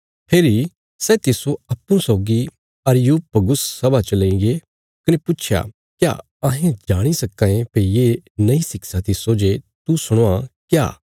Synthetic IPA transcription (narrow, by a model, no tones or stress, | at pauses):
pʰeːɾi | sɛt̪ɪsoɐpːũsɔːɡi | ɐɾjuːp̚pɐɡʊssɐbat͡ʃɐlẽĩɡe | kɐnepʊtːt͡ʃʰja̰ | kja̰ː | ɐɦẽd͡ʒaːɽ̃isɐkːãẽpejeːnɐĩsɪksat̪ɪsod͡ʒet̪usʊɽ̃oakja̰ː